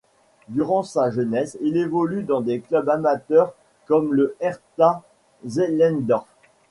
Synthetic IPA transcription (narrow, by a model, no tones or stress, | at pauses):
d̪yʁɑ̃saʒənɛsilevɔlyd̪ɑ̃d̪eklœbamat̪œʁ | kɔmləɛʁt̪a | zelɛ̃nd̪ɔʁf